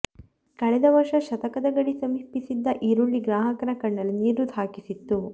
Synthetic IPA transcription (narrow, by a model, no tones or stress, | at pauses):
kɐɭɛd̪ɐʋɐɾʂɐʃɐt̪ɐkɐd̪ɐɡɐɽisɐmipisid̪ːɐʔiːɾuɭːiɡɾaːɦɐkɐnɐkɐɳːɐlːiniːɾud̪ʱaːkisit̪ːu